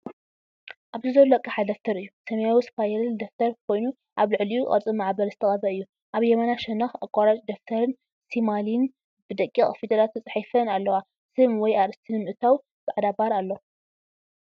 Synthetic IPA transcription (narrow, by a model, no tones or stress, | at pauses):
ʔaβzɨzolɐkʼːɨħad̪ɐft̪ʰɐɾɨjːusɐmɐjawispʰajɛld̪ɐft̪ʰɐɾkʰo̞jnu | ʔaβlɨʕlijukʼɐ̰ɾt͡sʼɨmaʕbɐlzɨt̪ʰɐkʼɐbɐɨjːu | ʔaβjɛmanaʃɛnːɐxakʼaɾat͡ʃʼd̪ɐft̪ʰɐɾɨn | simalin | bɨd̪ɐkʼːiχʼfid̪ɐlat̪ʰut͡sʼɨħifɐnalːɐwa | sɨmwɔjaɾɨst̪ʰɨnmɨʔɨt̪ʰaw | b̥ɨʕad̪abaɾalːo